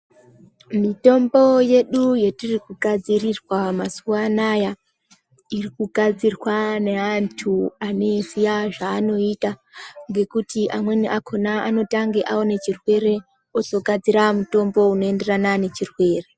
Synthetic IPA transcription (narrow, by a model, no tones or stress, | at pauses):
mito̞mbo̞je̞ɗuje̞tirikuɡʱad͡zirirwamasuwanaja | irikuɡʱad͡zirwaneantʰuane̞sijaʐaːno̞itaŋɡe̞kutiʔamwe̞niʔakʰo̞naano̞taŋɡeʔaone̞t͡ʃirwe̞re̞ | oso̞ɡʱad͡ziɾamuto̞mbo̞uno̞e̞nde̞ranane̞t͡ʃirwe̞ːre̞